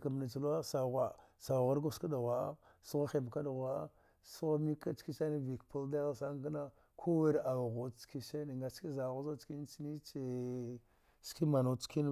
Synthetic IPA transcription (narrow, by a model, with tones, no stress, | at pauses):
ka˨m˨na˨t͡ʃi˨la˦sa˨ɣʷa˨sa˨ɣa˦ɾɡo˦ska˦da˨ɣʷa˨a̰˦ | su˦ɣa˦xe˨m˨ka˦da˨ɣʷa˨a˦ | su˦ɣa˦mi˦ka˦t͡ʃki˦sa˦ni˦vi˨kpu˦lda˦ɣa˦˨sa˦ŋ˦ka˦na˦ | kʰo˦we˦ɾa˨wɣo˨t͡ʃki˦sa˦ni˨ŋɡa˨t͡ʃi˦za˨ɣu˦za˦t͡ʃki˦n˦t͡ʃi˦ni˦t͡ʃe˨ | ski˦ma˨no˨t͡ʃki˦n